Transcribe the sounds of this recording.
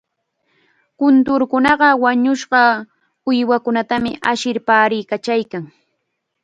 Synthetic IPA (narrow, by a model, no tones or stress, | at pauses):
kʊnt̪ʊɾkʊnɑɢɑwaɲʊʃɢɑ | ʊjwakʊnat̪amɪʔaʃɪɾpaːɾɪjkat͡ʃajkaŋ